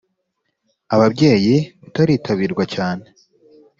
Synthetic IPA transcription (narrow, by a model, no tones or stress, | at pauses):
aβabɟe̞ːjiβutaɾiːtʰaβiːɾɡwacaːne